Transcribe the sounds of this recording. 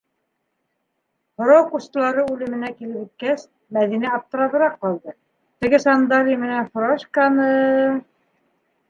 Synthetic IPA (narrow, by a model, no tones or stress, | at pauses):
hŏɾɑwkust̪̆lˠɑɾɤʉlɘ̆mɘ̆nækilɘpit̪̚kæs | mæðinæɑp̚t̪ɤ̆ɾɑðɤ̆ɾɑqːɑlˠd̪ɤ | t̪ɘ̆ɡɘsɑnd̪ɑɾʲimɘ̆nænfɾoʃkɑnɤ